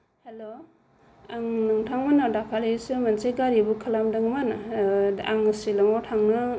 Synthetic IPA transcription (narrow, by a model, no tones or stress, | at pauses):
helo | aŋnɯŋtʰaŋmanadakʰalesɯmansejɡaɾibukʰalamdɯŋmana | aŋsilamawtʰaŋna